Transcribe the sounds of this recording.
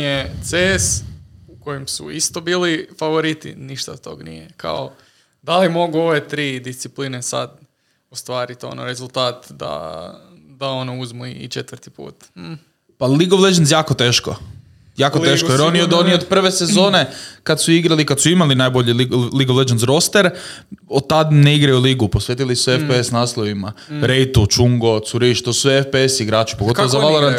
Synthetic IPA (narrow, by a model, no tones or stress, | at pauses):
et̪sesuko̞jimsṵist̪obiːlifaʋoɾit̪ḭniʃt̪a̰t̪o̰ɡnḭjekʰa̰o | d̪alimo̞ɡuo̞ʋet̪ɾiːd̪ist̪iplinesa̰d̪ | ost̪ʋaːɾit̪o̰no̰ɾe̞zulˠt̪aːt̪d̪a̰ | d̪aonouzmuiit͡ʃet̪ʋəɾt̪ipṵːt̪̩ | paliɡoʋled͡ʒensjaːkot̪eːʃko | jaːkot̪eːʃkojeɾoniod̪oniod̪pr̩ʋe̞sezo̞ːne̞kad̪suiɡɾalikad̪suimalinajboʎililiɡoʋled͡ʒenzɾo̞st̪eɾod̪̚t̪ad̪neiɡɾajuliːɡuposʋʲjeːt̪ilisuefpeesnaːslˠoʋimaɾejt̪ut͡ʃuŋɡo̞suɾiʃt̪osuefpeesiɡɾaːt͡ʃu̥poɡooozaʋaloɾan